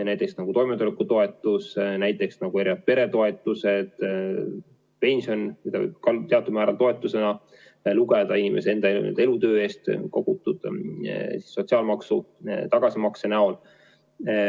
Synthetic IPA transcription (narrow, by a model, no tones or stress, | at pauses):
næjt̪ːˑe̞ksnɑɡ̥ut̪o̞jmet̪ulekːˑut̪o̞e̞t̪ːˑusnæjt̪ːˑe̞ksnɑɡ̥ue̞ɾiɑt̪̚pe̞ɾe̞t̪o̞e̞t̪ːˑuse̞d̪̥ | pe̞nʲsionmid̪ɑ̰kɑlt̪e̞ɑt̪ːubmæːɾɑlt̪o̞e̞t̪ːˑuse̞nɑ | luɡe̞d̪̥ɑinimʔe̞see̞nd̪ɑḛḛd̪elut̪ø̞ːe̞ːst̪ko̞ɡ̥ut̪ːˑud̪̥ | si̥sːo̞t̪ʲsiɑːlmɑksut̪ɑɡ̥ɑsimɑksenæo̞l